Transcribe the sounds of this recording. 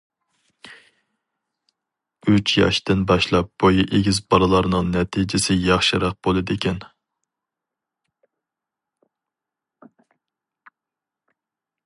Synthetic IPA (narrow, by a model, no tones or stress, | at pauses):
yt͡ʃʰjɑ̰ʃt̪ɪnbɑʃlˠɑp̚b̥ojiʔeɡʲizbɑɾɨlˠɑɾnɨŋnɛt̪ʰid͡ʒɪsɪjɑχʃɨɾɑq̚b̥olˠɨd̪ekʲʰɛn